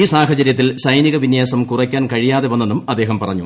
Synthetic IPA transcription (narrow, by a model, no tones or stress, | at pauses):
iːsaːɦɐt͡ɕɐɾjɐt̪ːilsɐjniɣɐʋinjaːsɐmkurɐkʲːaːnkɐɻijaːðeʋɐnːenːumɐd̪ːe̞ːɦɐmpɐrɐɲːṵ